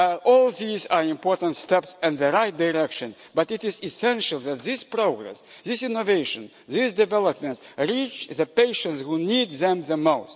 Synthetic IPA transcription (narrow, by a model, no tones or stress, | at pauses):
ɔlˠðiza˞ɪ̃mpʰɔɹtə̃ntstɛpsɨ̃nðəɹaɪt̚daɹɛkʃɨ̃n | bʌtɪtɪzɪsɛ̃nʃəlˠðæt̪̚ðɪspɹoɡɹɛ̰s | ðɪsɪ̃noveɪʃə̃n | ðɪsdɨvɛlˠəpmɛ̃ntɹit͡ʃðəpeɪʃə̃ntshunid̪̚ðɛ̃mðəmaʊs